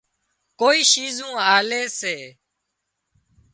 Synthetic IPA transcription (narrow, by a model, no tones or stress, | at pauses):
koːiːʃiːzũːaːleːseː